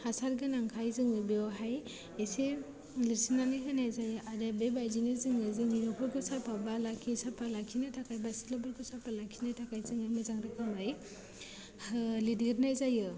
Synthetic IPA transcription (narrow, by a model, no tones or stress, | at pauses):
hasaɾɡɯnaŋkʰajzɯŋɯbeɔɦaj | ese | liɾsinanɯɦɯnajzajɯʔadabebajinɯzɯŋɯzɯŋiɾɔpʰɯɾɡɯsapʰabalakʰisapʰalakʰinatʰakajbasi̥tlɔbɯɾɡʰɯsapʰalakʰinatʰakajzɯŋɯmɯzaŋɾɯkʰamɯj | hɯlidiɾnajzajɯ